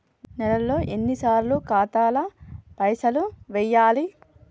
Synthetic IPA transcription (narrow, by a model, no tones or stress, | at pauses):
nɛlɐlːo̞ːʔenːisaːɾlukaːt̪aːlɐpɐjsɐluʋɛjːaːli